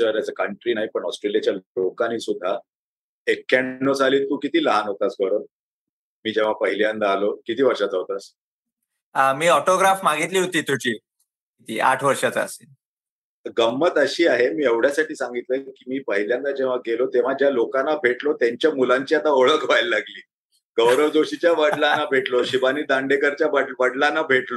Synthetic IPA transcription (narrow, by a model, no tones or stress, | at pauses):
əɾjat͡səkəɳʈɾiːnaɦipəɳɔsʈɾelijat͡ɕjalokanisud̪ʱːa | ekːaːod͡zʱaliːlt̪uːkit̪iːləɦanɦot̪asɡəɾon | miːd͡ʑẽʋ̤apəɦiljand̪aːlokit̪iːʋəɾʂad͡zaʋt̪as | amiːɔʈoɡɾafmaɡit̪liːɦot̪iːt̪ud͡ʑʰiː | it̪iːa̰ʈʰʋəɾʂat͡sːə̰se | ɡəmːət̪əɕiːaɦemiːeʋɽ̤jasaʈiːsãŋɡit̪ləkiːmiːpəɦiljãnd̪ad͡ʑeʋ̤aɡelot̪eʋ̤ad͡ʑjalokanːabʱeʈlot̪jaɲt͡ɕjamulaɲt͡ɕiːat̪aoɭəkʰʋajlːaɡliː | ɡ̥əwɾəʋd͡z̪oɕit͡ɕjaʋəɽlanːabʱeʈloɕibaniːd̪ãɳɖekəɾt͡ɕjabəʋəɽlanːabʱeʈlo